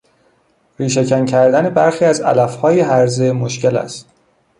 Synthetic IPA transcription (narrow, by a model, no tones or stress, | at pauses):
ɾiːʃecʰæncʰæɾd̪æne̞bæɾxiːæzæ̰læfhɒːjeɦæɾzemo̞ʃce̞læ̰st̪